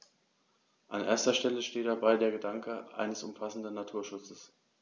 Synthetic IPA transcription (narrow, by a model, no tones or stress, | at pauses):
ʔanʔḛːɐstɐʃtɛləʃteːt̚d̥abaɪdeːɐɡədaŋkʰəʔa̰ɪnəsʊmfasn̩dn̩ːatʰuːɐʃʊt͡səs